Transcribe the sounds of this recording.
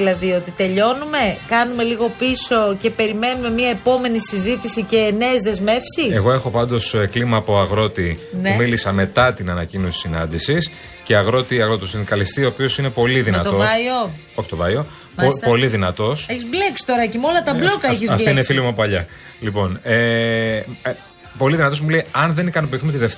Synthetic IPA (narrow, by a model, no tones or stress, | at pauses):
ilɐðio̞t̪it̪e̞ʎo̞nume̞kɐnume̞liɣo̞piso̞ce̞pe̞ɾime̞nume̞miɐepo̞me̞nisizit̪isice̞ne̞ːzðe̞zme̞fsiseɣo̞e̞xo̞pɐnd̪o̞seklimɐːpo̞ɐɣɾo̞t̪inumilisɐme̞t̪ɐt̪inɐnɐcino̞si̥sinɐ̰nd̪isis | ceɐɣɾo̞t̪iɐɣɾo̞t̪osind̪ikɐlist̪io̞ːpio̞sine̞po̞liðinɐt̪oo | oçi̥t̪ovɐjo̞ | ppo̞liðinɐt̪o̞seçizbleksi̥t̪oɾɐcemolɐt̪ɐblokɐefçizɐfiinefilimɐpɐʎɐ | lipo̞ne | po̞liðinɐt̪o̞zmulejɐnðe̞nikɐnopiθumet̪iðeft̪